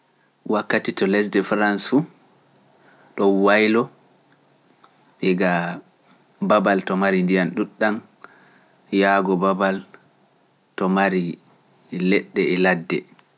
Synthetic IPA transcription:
wakːatitɔlɛs̬dɛfɾansfu | ɗɔnwajlɔ | ɓɛɡa | babaltɔmaɾindijanɗuɗːam | jaɡɔbabal | tɔmaɾi | lɛɗːɛɛladːɛ̰

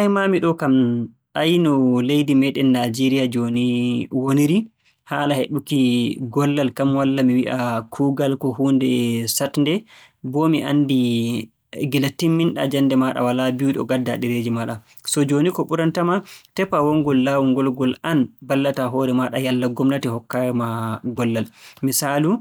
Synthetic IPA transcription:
amamiɗɔkam | ajnɔlejdimɛɗɛnːad͡ʒeɾijad͡ʒoniwoniɾi | haːlaheɗukiɡɔlːalkamwalːamiwiʔakʰuːɡalkɔhuːndɛsatndɛ | bɔmiʔa̰ndi | ɡilatːimːinɗa̰d͡ʒanːdɛmaɗa̰walabiuɗɔ̰ɡadːaɗiɾed͡ʒimaɗa | sɔd͡ʒonikɔɓuɾantamatɛpawɔŋɡɔlːawuŋɡɔlɡɔlanbalːataɦɔɾɛmaɗajalːaɡɔmnatɛhɔkːamaɡɔlːalmisaːlu

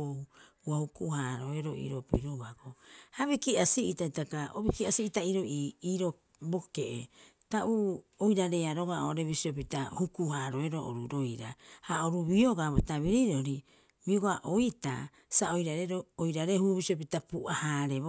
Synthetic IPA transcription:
ohu | uahukuhaɾo̞eɾoḭɾopiɾoɡaɡohaβikiasiitaitakaoβikiasiitaiɾoʔiiɾo | bo̞keʔḛ | taʔuojɾaɾe̞aɾoɡaoɾeβisiop̬itahukuhaɾo̞eɾoʔo̰ɾuɾo̞jɾa̰haoɾuβioɡaβotaβiɾiɾoɾi | miuɡaʔoita̰ | sao̞jɾaɾeɾoojɾaɾe̞huβisiop̬itapuʔahaɾe

